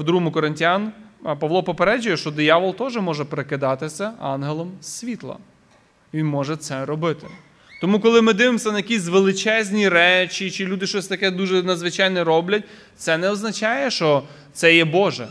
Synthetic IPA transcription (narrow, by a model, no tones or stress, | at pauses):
wd̪ɾuɦmʊkɔɾɪnʲtʲjɑnpɐʋlˠɔpɔpeɾɛd͡ʒʊjɛʃt͡ʃɔd̪ɪjɑʋɔlˠt̪ɔʒɪmɔʒɛpɾekɪd̪ɑt̪ɪsʲɐɑ̰nɦelˠɔmsʲʋʲit̪lˠɐ̰ | ʋʲinmɔʒɛt̪sɛɾɔbɪt̪ɪ̥ | t̪ɔmukɔlˠɪmɪd̪ɪʋɪmsʲɐnɐjɐkʲisʲʋelˠɪt͡ʃɛzʲnʲiɾɛt͡ʃit͡ʃɪlʲud̪ɪʃt͡ʃɔsʲt̪ɐkɛd̪uʒɛnɐd̪zʋɪt͡ʃɑjnɛɾɔblʲɐt̚ʲ | t̪sɛnɛɔznɐt͡ʃɑjɛʃt͡ʃɔ | t̪sɛjɛbɔʒɛ̰